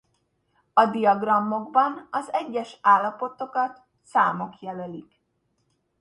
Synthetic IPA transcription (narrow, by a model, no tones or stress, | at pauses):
ɒd̪ijɒɡrɒmːo̞ɡbɒnɒzɛɟːɛʃaːlːɒpo̞t̪o̞kɒt̪ | saːmo̞kjɛlølik